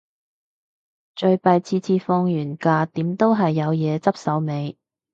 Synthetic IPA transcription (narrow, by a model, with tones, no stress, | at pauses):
t͡ʃɵ˨˧ɥpɐ˨˧jt͡sʰiː˧t͡sʰiː˧fɔ˧ŋjyː˨˩nkaː˧t̪iː˨˥mt̪o˥wɦɐ˨jːɐ˨˧wjɛː˨˧t͡sɐ˥p̚sɐ˨˥wme˨˧j